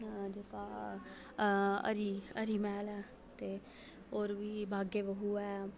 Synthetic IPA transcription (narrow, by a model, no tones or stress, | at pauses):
d͡ʒeka | ə̰ɾiə̰ɾimɛːlɛː | t̪e | oːɾbʱiːbʱaːɡebəɦuɛː